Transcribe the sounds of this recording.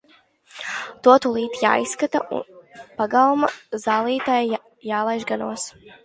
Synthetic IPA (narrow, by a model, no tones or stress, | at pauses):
t̪uɔt̪ulˠiːt̪ja̰ːisːkat̪aʔṵnpaɡawumazaːlˠiːt̪aja | jaːlˠajʒɡanuɔs